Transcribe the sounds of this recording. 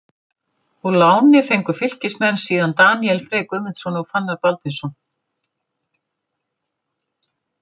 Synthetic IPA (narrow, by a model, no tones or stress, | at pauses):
ulaːwnɪfejŋkʏ̥fɪl̥cɪsmɛnːsiːðant̪aːniɛlfɾeːjkʏmɪnt̪sɔnɔɣfanːaɾpalt̪ɪnsɔn